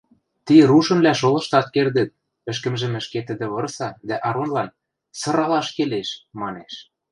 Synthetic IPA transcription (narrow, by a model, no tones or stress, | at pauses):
t̪iɾuʃɤ̆nβlæʃolɤ̆ʃt̪ɑt̪̚kerd̪ɘ̆t̪̚ | ɘ̆ʃ̬kə̆mʒɘ̆mɘ̆ʃket̪ə̆d̪ĕβɤ̆rsɑd̪æʔɑɾonlɑn | sɤ̆ɾɑlɑʃkeleʃmɑneʃ